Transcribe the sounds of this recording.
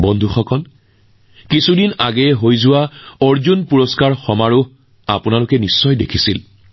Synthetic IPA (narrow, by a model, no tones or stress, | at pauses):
bɔnd̪ʱuxɔkɔl | kisudinaɡɛɛɦojzʊwaɔɹzunpuɹɔskaɹxɔmaɹʊ | a̰pʊnalʊkɛnisːɔjdḛkʰisil